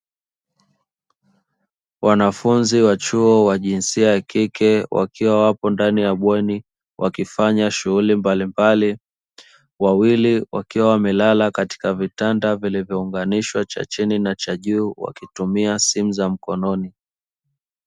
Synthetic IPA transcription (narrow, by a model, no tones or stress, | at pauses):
wʔanafunziwat͡ʃuɔwaʄinsiajakikɛwʔa̰kiwawapɔndanijaɓwɛni | wʔa̰kifaɲaʃuɣulimbalimbali | wawiliwa̰kiwawamɛlalakati̥kavitandavilivjɔuŋɡaniʃwat͡ʃa̰t͡ʃininat͡ʃaʄuːwa̰kitumiasimuzam̩kɔnɔni